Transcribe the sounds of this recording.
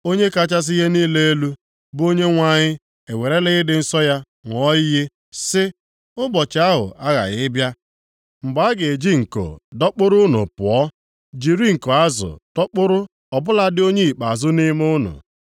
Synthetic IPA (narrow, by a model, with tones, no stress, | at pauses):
o˦ɲe˦ka˦t͡ʃa˦s̬i˦ɦe˦niː˦le˦e˦lu˦ | bo˦ɲe˦ŋʷa˦ɲɪ˦ | e˨we˨ɾe˦lɪ˦ɪ˦dɪ˨n̩˦sɔ˦ja˦ | ŋʷ˨ɔ˦ɪ˦ɦe˦ | sɪ˦ | ʊ˦bɔ˨t͡ʃa˦ɦʊ̰˨ʔa˦ɣa̰˨ɣɪ˦bja˦ | m̩˨ɡ͡ba˨˦ɡe˨e˨d͡ʒi˦ŋ̩˨ko̰˨dɔ˦k͡pʊ˦ɾʊ˦nʊ̰˨pʊ˨ɔ˦ | d͡ʒi˨ɾi˦ŋ̩˨ko˨a˦zʊ̰˨d̥ɔ˦k͡pʊ˦ɾʊ˦ | ɔ˨bʊ˦la˦dɪ˦o˦ɲe˦i˨k͡pa˨zʊ˦ni˦mʊ˦nʊ̰˨